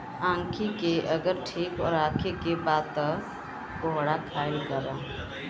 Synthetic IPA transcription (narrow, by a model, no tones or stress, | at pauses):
ãːŋkʰikeʔəɡəɾʈʰiːkɔ̰ːɾaːkʰikebaːd̪̚t̪ə | ɡoɦɽakʰaːilɡəɾaː